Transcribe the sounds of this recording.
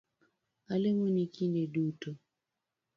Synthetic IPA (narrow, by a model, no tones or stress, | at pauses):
alemɔnikindeduto